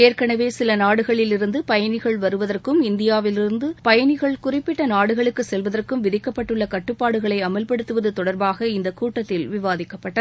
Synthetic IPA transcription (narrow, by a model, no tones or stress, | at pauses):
eːrkɐɳɐʋeːsɪlɐnaːɽɯɣɐɭɪlɪɾɯnd̪ɯpɐjɐɳɪɣɐɭʋɐɾɯʋɐðɐrkɯmɪnd̪ɪjaːʋɪlɪɾɯnd̪ɯpɐjɐnɪɣɐɭkʊrɪpːɪʈːɐnaːɽɯɣɐɭɯkːɯsɛlʋɐðɐrkɯmʋɪðɪkːɐpːɐʈːɯɭːɐkɐʈːɯpːaːɽɯɣɐɭɐɪɐmɐlpɐɽɯt̪ːɯʋɐðɯt̪ɔɽɐɾbaːɣɐɪnd̪ɐkuːʈːɐt̪ːɪlʋɪʋaːðɪkːɐpːɐʈːɐ